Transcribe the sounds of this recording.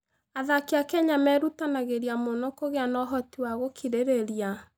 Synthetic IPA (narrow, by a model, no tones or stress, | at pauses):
aðakeakɛɲamɛɾutanaɣeɾiamonɔkoɣeanɔɦɔtiwaɣokʰiɾeɾeɾia